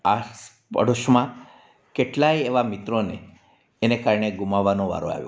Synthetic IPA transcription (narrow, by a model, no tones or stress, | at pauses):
as | pə̰ɽoʃmã | keʈlaieʋamit̪ɾone | enekaɾɳeɡumaʋːanõʋa̰ɾõ̰a̰ʋjo̰